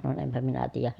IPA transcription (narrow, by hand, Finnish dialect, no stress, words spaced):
sɑnon empæ minæ tiːjæh